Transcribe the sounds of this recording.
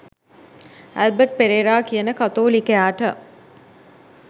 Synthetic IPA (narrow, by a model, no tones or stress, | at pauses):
æ̰lbəʈ̚peɾeːɾaːkijənəkat̪oːlikejaːʈə